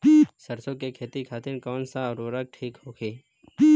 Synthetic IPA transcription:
səɾsõkekʰeːt̪ikʰaːt̪ɪnkɔːnsaɾoːɾək̚ʈʰiːkɦoːkʰeː

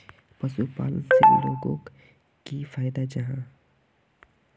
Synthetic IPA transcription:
pɐsupa̰ːlsebḭlõːɡõk | kifʰaːjd̪ad͡ʒɐɦã

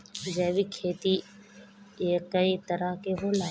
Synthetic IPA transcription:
d͡ʒɛːʋikʰeːt̪i | jekɐit̪ɐɾəɦkeɦoːlaː

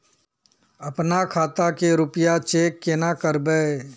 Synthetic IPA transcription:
ɐpnakʰaːt̪akeɾʊpjat͡ʃeːkːenakəɾbeː

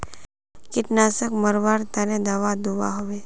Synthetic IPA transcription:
kɪʈnasəkməɾʋaːɾt̪anẽd̪aʋad̪uʋa̰ɦoʋe

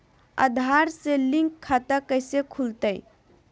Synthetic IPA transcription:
ə̰d̪ʱaɾselːiŋɡkʰːat̪əkəjsekʰult̪əj

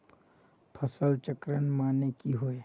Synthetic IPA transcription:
pʰəsəlt͡ʃəkɾənmaːnekiɦoe

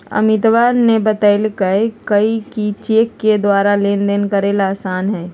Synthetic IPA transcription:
ə̰mɪt̪ʋaːnnebət̪əɪlkəekəikit͡ʃeːkːed̪waːɾaleːnd̪enkəɾeːlaːsaːnɦɛː

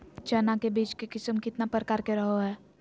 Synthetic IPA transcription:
t͡ʃɛːnakebiːt͡ʃkekɪsəmkɪt̪napɾəkaːɾkeɾəɦoɦɛː

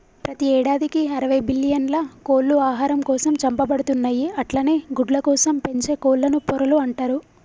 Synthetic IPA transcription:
pɾɐt̪iɛːɽaːd̪ikiɐɾɐʋɐjbilːijɐnlɐkoːlːuaːɦaːɾɐmkɔːsɐmt͡ʃɐmpɐbɐɽut̪unːaːjiɐʈlaːne̞ːɡuɖlɐkɔːsɐmpe̞ɲt͡ʃe̞ːkoːllːɐnupɔɾɐluɐɳʈaːɾu

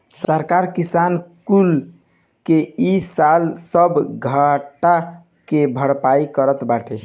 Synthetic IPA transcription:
səɾkaɾkisankul | keisalsəbʱɡʱaʈa | kebʱəɽpaikəɾət̪baʈʰe

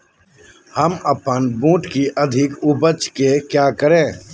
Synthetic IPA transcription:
həməpənbũːʈkiʔəd̪ʱɪkʊbət͡ʃkekjaːkəɾẽː

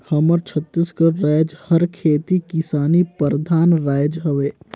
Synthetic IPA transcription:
hɐməɾt͡ʃʰət̪ːiskəɾaːd͡ʒhɐɾkʰeːt̪ikɪsaːnipəɾd̪ʱaːnɾaːjd͡ʒɦɐʋeː

